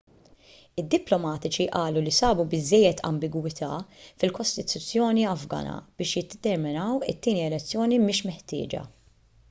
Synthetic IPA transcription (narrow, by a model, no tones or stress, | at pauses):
ɪd̪ːɪplɔmɐːt̪ɪt͡ʃiʔɐːlulisɐːbubɪzːɛjːɛt̪ʰɐ̰mbɪɡwɪt̪ʰɐ̰ːfɪlkɔst̪ɪt̪ʊt͡sːjɔːniɐvɡɐ̰ːnɐ̰b̥ɪːʃjɪd̪ɛt̪ɛɾmɪnɐwɪt̪ːiːniɛlɛt͡sːjɔːnimɪːʃmɛħt̪ɪ̰ːd͡ʒɐ̰